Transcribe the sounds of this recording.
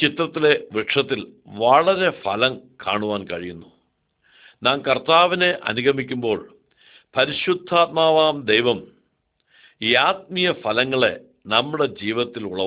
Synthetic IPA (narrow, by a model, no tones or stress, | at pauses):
t͡ɕit̪rɐt̪ːile̞ʋiʈʂɐt̪ːilʋɐɭɐɾe̞fɐlɐmka̰ːɳuʋaːnkɐɻijunːu | naːnkɐrt̪aːʋine̞ʔɐ̰nuɡʱɐmikʲːumbo̞ːɭ | pɐɾiɕud̪ʱːaːt̪̚maːʋaːmd̪ejʋɐm | iaːt̪̚mijɐfɐlɐŋːɐɭe̞̰ | nɐmːuɽe̞d͡ʑiːʋɐt̪ːiluɭɐ